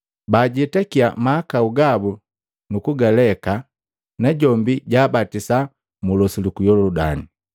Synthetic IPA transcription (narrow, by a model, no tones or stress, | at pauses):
baːɟɛtakiamaːkauɡabu | nukuɡalɛka | naɟɔmbiɟaːbatisa | mulɔsilukujɔlɔɔdani